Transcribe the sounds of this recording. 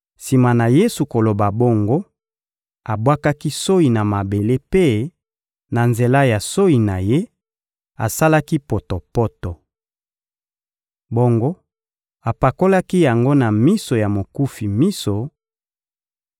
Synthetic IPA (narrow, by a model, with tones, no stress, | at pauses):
si˨ma˨na˨je˦su˨ko˨lo˨ba˨bo˦ŋɡo˦ | a˨bwa˦ka˦ki˦so˦i˨na˨ma˨be˨le˦pe˦ | na˨nze˨la˦ja˨so˦i˨na˨je˦ | a˨sa˦la˦ki˦po˨to˨pɔ˦tɔ˨ | bo˦ŋɡo˦ | a˨pa˨ko˦la˦ki˦ja˨ŋɡo˦na˨mi˦so˨ja˨mo˨ku˦fi˨mi˦so˨